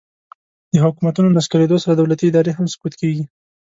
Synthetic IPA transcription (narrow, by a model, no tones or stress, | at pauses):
d̪əhʊkumat̪unonaskaled̪osaɾad̪awlat̪iɪd̪ɑɾeɦamsʊ̥kut̪keɡi